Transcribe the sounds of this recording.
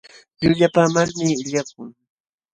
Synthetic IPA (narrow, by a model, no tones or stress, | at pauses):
ʎʊʎapaːmaɾmɪɪʎak̚ʊŋ